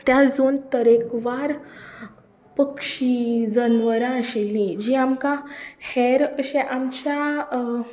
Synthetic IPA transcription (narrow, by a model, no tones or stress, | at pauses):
t̪jad͡zont̪əɾekʋaɾ | pəkʂid͡zənʋəɾãəɕilːid͡ʑiamkãhɛɾəɕẽʔamt͡ɕja